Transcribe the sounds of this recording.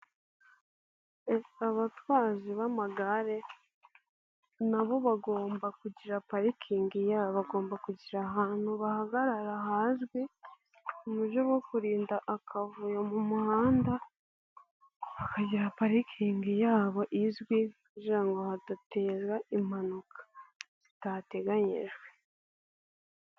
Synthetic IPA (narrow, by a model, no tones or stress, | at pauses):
eaβatwaːziβamaɡaɾe̞ | naβo̞βaɡo̞ːmbakuɟiɾapaɾikʰiːŋɡijaːβaɡo̞ːmbakuɟiɾaɦaːn̥huβahaɡaɾaɾahaːzɡwi | umuʒowo̞kuɾiːndaʔːkʰavujomumuhaːnda | βakaɟiɾapaɾikʰiːŋɡijaːβo̞ʔizɡwikuɟiɾaŋɡo̞hadateːzwaim̥hanukʰḁz̥itate̞ɡaɲḛʒwe